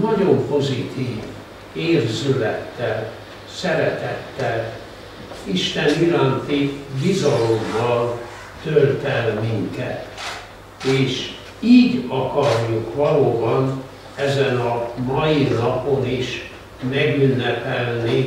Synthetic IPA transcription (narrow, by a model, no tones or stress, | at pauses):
nɒɟo̞mpo̞zit̪iːv | eːrzylɛt̪ːɛl | sɛɾɛt̪ɛt̪ːɛl | iʃt̪ɛniɾaːnt̪ibizɒlo̞mːɒl | t̪ølt̪ɛlmiŋkɛ̰t̪ | eːʃ | iːɟɒkɒrjukʋɒloːbɒn | ɛzɛnɒmɒjinɒpo̞niʃ | mɛɡynːɛpɛlni